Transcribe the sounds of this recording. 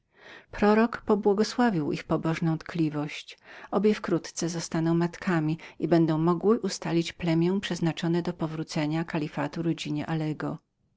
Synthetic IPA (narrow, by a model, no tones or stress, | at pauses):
pɾɔɾɔkpɔbwɔɡɔswavʲiwʔixpɔbɔʐnɔ̃w̃t̪klʲivɔɕt͡ɕɔbʲjɛfkɾut̪t̪sɛzɔst̪anɔ̃w̃mat̪kʰamʲiibɛnd̪ɔ̃w̃mɔɡwɘʔust̪alʲit͡ɕplɛmʲjɛ̃pʂɛznat͡ʂɔnɛd̪ɔpɔvɾut̪sɛɲakalʲifat̪uɾɔd͡ʑiɲɛʔalɛɡɔ